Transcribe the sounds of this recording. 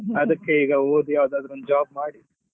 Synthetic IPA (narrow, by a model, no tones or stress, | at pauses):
ɐd̪ɐkːe̞iːɡɐoːd̪ujaːʋd̪aːd̪ɾond̪ud͡ʒaːb̚maːɽi